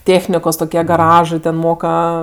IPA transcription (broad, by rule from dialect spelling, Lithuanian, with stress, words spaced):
ˈtʲeːxʲnʲɪkoːs toːˈkʲiɛ ɡɐˈrɑːʒɜ ˈtʲɛn ˈmoːkɐ